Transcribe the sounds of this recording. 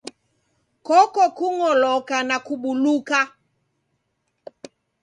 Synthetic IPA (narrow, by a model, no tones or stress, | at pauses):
kɔkɔkuŋɔlɔkanakuɓuluka